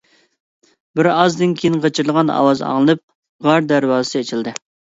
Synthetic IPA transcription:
bɪɾɑzd̪ɪnkʲʰejinqʰɑt͡ʃʰiɾɨlˠəʁɑnɑ̰wɑzɑ̰ŋlˠɨnɨp̚ | ʁɑɾd̪æɾwɑːsɨet͡ʃʰild̪ɪ

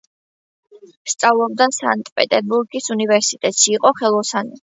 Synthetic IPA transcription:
st̪sʼavlˠɔb̚d̪ansa̰nt̪ʼpʼɛt̪ʼɛɾbuɾɡisunivɛɾsit̪ʼɛt̪ʼʃiːqʼɔχɛlˠɔsani

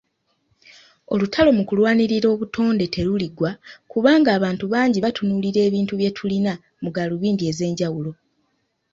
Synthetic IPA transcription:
o̞lutʰalo̞mukulwaːniɾiɾo̞ːβutʰo̞ːnde̞tʰe̞luliɡwakuβaːŋɡaːβaːntuβaːɲɟiβatunuːliɾe̞ːβiːntuβje̞tʰulina | muɡaluβiːndie̞ːze̞ːɲɟawulo̞

